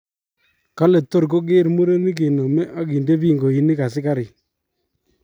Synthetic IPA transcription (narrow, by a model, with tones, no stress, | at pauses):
ka˦le˨tːo˦ɾko˦k̬e˦ɾmu˦ɾe˦ni˦k̬e˨no˨mɛ˦ʔa˦ki˨nde˦pi˦˨ŋɡo˨i˨ni˦ka˨sɪ˦ka˦ɾɪ˨